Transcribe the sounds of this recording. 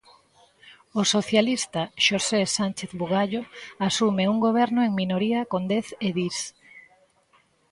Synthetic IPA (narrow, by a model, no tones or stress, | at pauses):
osoθjalist̪aʃosesant͡ʃeθβuɣaʎoasumeuŋɡoβ̞ɛɾnʊeŋminoɾiakond̪eθeðis